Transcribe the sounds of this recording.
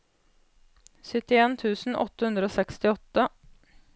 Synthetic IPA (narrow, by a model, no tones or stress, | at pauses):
sʏt̪ːɪeːnt̪ʰʉːsn̩ʔɔ̰t̪ːəhʉnd̪ɾəoːsɛkst̪ɪɔt̪ːə